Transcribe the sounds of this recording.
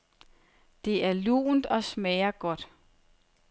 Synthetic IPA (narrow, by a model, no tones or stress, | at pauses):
d̥e̝ʔæɐlṵːnd̥ɒ̽smɛːɐɡ̥ɒ̽d̥